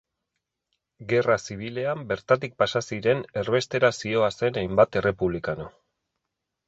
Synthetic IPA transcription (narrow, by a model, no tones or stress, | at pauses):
ɡe̞rasiβ̞ile̞ambe̞ɾt̪at̪ik̚pasasiɾe̞ne̞rβe̞st̪e̞ɾasio̞ase̞najmbat̪e̞re̞puβ̞likano